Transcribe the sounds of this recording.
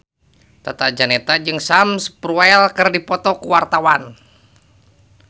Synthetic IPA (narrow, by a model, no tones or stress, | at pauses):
t̪at̪ad͡ʒanɛt̪ad͡ʒɨŋsamspɾualkɨrdipɔt̪ɔkuwart̪awan